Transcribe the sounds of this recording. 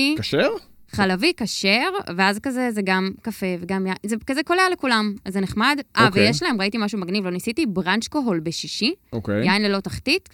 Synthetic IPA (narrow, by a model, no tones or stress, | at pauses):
ikaʃeʁχalavikaʃeʁveazkazezeɡamkafe̞veɡamjainzekazekolealekulamzeneχmadʔavejeʃlahe̞mʁaitimaʃumaɡnivlo̞nisitibʁant͡ʃkoɦo̞lbeʃiʃiokejainlelo̞taχtit